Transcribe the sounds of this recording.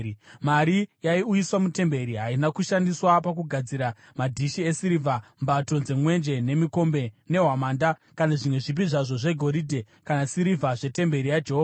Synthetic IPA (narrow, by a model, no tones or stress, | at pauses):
maɾijaiujiswamute̞mbe̞ɾiɦainakuʃandiswapakuɡʱad͡ziɾa | madʱiʃie̞siɾivʱambato̞nze̞mwe̞nd͡ʒe̞ne̞miko̞mbe̞ne̞ɦamaːndakanaʐimwe̞ʐip̬iʐaʐo̞ʐe̞ɡʱo̞ɾidʱe̞ | kanasiɾivʱaʐe̞te̞mbe̞ɾijad͡ʒeɦova